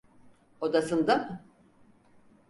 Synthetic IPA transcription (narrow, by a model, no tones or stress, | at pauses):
o̞d̪asɯnd̪am